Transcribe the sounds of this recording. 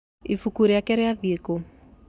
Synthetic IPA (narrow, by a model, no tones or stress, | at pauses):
ḭfukuɾeakɛɾɛaðieko